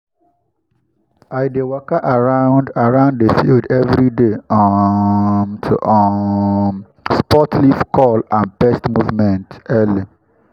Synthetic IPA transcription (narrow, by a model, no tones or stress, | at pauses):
aɪjdewɔkaʔaɹãʊ̃ndaɹãʊ̃nddefildɛvɾideɔ | mtʰuʔɔ | spɔtlifkʰɔlãnbɛstmuvmɛ̃ntɛli